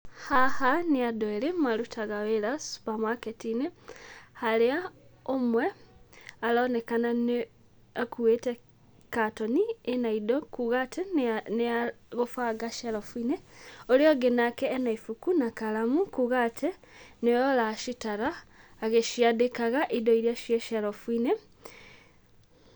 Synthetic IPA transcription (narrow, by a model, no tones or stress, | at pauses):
hahaniadoelemalutʰaɣawelasu̥pamaketinehaleaomwe | alonekanane | akuwete | katonienaidokuɣatʰeneaɣofaɡaʃaɾofuineoleoɡenakɛːnaifukunakalamukuɣatʰe | nejolaʃitaɾaːɣeʃijaðekaɣaʔidoiɾjaʃjeʃaɾofwine